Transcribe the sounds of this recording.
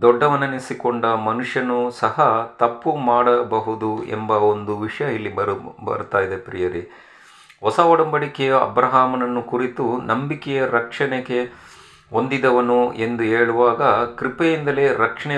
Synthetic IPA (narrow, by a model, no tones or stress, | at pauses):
d̪ɔɖːɐʋɐnɐnisikoɳɖɐmɐnuʂjɐnusɐɦɐt̪ɐpːumaːɽɐbɐɦud̪uḛmbɐond̪uʋiʂɐjɐilːibɐɾbɐ̰ɾut̪aːjid̪e̞pɾijɐɾi | ɦɔsɐʋɔɽɐmbɐɽikɛjɐɐ̰bɾɐɦaːmɐnɐnːukuɾit̪unɐmbikɛjɐɾɐkʂɐɳeɡe̞ | ond̪id̪ɐʋɐnue̞nd̪uɦeːɭuʋaːɡɐkɾipejind̪ɐle̞ːɾɐkʂɐɳɛ